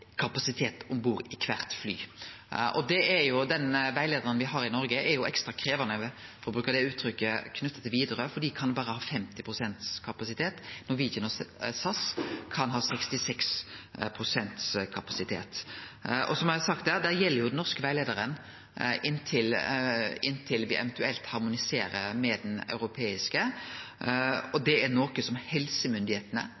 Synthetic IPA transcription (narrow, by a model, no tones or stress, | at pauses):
kʰɑpɑsɪt̪ʰeːt̪ʊmbuːɾɪkʰʋæʁt̪fly̰ː | ʔɔd̪ɛɛɾjʊd̪ɛnʋæɪleːd̪əɾənʋɪɦɑɾɪnɔɾɡəʔɛɾjʊɛkst̪ɾɑkʰɾeːʋɑnəfɔɾɔbɾʉːkəɾd̪ɛʉːt̪ʰɾʏkːəkʰnʉt̪ːət̪ʰːɪlʋiːd̪əɾəfɔd̪iːkʰɑnbɑːɾəhɑːfɛmt̪ɪpʰɾʊsɛnt̪skʰɑpɑsɪt̪ʰeːt̪nɔɾʋiːənɔsɑskʰɑnɦɑːsɛkst̪ɪsɛkspʰɾʊsɛnt̪skʰɑpɑsɪt̪ʰḛːt̪ | ɔ̰sɔmɑsɑk̚t̪̚d̪æːʁd̪æːʁjɛlːəɾjʊd̪ɛnːɔʁskəʋæɪleːd̪əɾən | ɪnːt̪ʰɪl | ɪnːt̪ʰɪlʋɪʔɛ̰ʋɛnt̪ʉɛlt̪hɑʁmʊnɪseːɾəɾmɛd̪ɛnɑ̰ʉɾʊpʰeːɪskə | ɔd̪ɛæɾnoːkəsɔmhɛlsəmʏnd̪ɪheːt̪ənə̰